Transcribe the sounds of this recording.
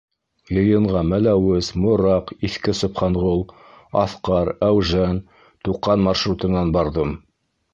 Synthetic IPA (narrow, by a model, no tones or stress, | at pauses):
jɤ̆jɤ̆ɴʁɑmælæwɘzmŏɾɑqiθkɘsŏpχɑɴʁolˠ | ɑ̰θqɑɾæwʒæn | t̪uqɑnmɑrʃrut̪ɤ̆nɑnbɑɾðɤm